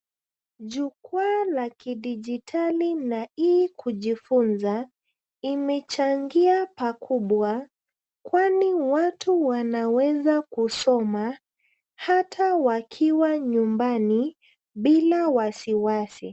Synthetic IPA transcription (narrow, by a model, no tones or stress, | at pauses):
ʄukwualakiɗid͡ʒitʰalinaikʰuʄifunza | imɛt͡ʃaŋɡiapakʰuɓwa | kwaniwatʰuwanawɛzakusɔma | hatʰawakʰiwaɲumbani | ɓilawasiwasḭ